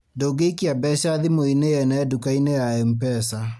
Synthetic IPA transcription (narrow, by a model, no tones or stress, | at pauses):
doɡeikiabɛʃaðimoinejɛnaɛdukainɛjaɛm̩pɛsa